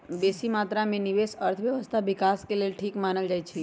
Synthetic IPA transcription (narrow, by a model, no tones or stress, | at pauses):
besimat̪ɾamẽniʋesəɾt̪ʰəʋjəʋəst̪ʰaʋɪkaskelelʈʰiːkmanəld͡ʒajt͡ʃʰe